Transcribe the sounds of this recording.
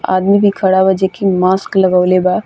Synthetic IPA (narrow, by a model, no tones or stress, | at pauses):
a̰ːd̪mibʱikʰəɽabad͡ʒekimaːskləɡawleba